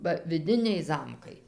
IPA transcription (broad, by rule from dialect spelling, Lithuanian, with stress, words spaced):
bɐ ʋʲɪˈdʲɪnʲɛɪ ˈzɐmkɐɪ